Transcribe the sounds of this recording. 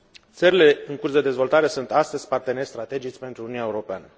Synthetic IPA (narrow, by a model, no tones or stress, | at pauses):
t̪səɾile̞ɨŋkursd̪e̞d̪e̞zvo̞lt̪aɾe̞sunt̪ast̪əzʲpart̪e̞ne̞rʲst̪ɾat̪e̞d͡ʒit͡ʃʲpe̞nt̪ɾununʲaeuɾo̞peanə